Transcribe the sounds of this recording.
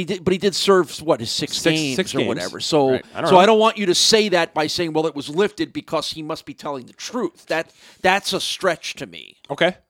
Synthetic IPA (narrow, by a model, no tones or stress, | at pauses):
idɨbʌt̚hidɨd̥sɜ˞v̥wʌɾ̚ɨz̥sɪkstĩnɪzə˞wʌ̰ɾɛ̰və̰˞soʊsoʊaɪɾõʊ̃nʔwɑ̃nt͡ʃɨɾɨseɪðɨt̚b̥aɪseɪɪ̃ŋwɛlˠət̚wʌzlɪftɨd̚bɨkʰʌz̥himʌst̚b̥itʰɛlˠɪ̃ŋðɨtʰɹ̥ʉθðæt̪̚ | ðætsəstɹ̥ɛt͡ʃtʰɨmḭoʊkʰeɪ